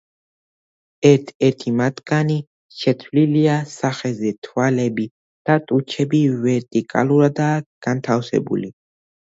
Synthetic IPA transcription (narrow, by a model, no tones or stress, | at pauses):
ɛɾt̪ʰɛɾt̪ʰimat̪ʼɡani | ʃɛt̪sʰvliliasaχɛzɛt̪ʰvalɛbi | d̪̥at̪ʼut͡ʃʰɛbivɛɾt̪ʼikʼa̰luɾad̪aːɡ̥ant̪ʰafsɛ̰bṵli